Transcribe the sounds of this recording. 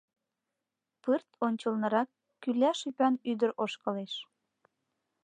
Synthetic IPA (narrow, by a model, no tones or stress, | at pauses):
pɨrt̪onʲt͡ɕəlnɤ̆ɾɑkː | ylæʃypɑnyd̪əɾʔoʃkɤleʃ